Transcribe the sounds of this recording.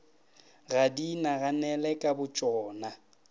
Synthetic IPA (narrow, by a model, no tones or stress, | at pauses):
ɣadinaɣanɛlɛkʼabʊt͡ʃʼɔːna